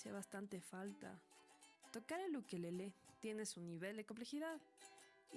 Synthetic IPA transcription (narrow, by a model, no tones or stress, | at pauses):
siaβast̪ant̪e̞falt̪a̰ | t̪o̞kaɾelukelelet̪je̞nesuniβ̞e̞ld̪e̞komp̬le̞xiðað